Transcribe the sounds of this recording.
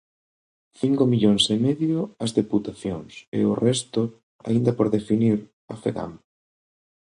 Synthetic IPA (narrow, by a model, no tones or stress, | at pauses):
θiŋkomiʎoŋsemeðjʊɐzðeput̪aθjoŋsḛʊrɛst̪ʊ | a̰ind̪ɐpoɾðefiniɾ | ɐfeɣa̰m